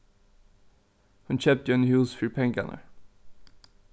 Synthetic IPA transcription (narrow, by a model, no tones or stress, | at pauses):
hʉnçøːp̚t̪enhʉːsfyːpʰɛŋɡa̰nʔə̰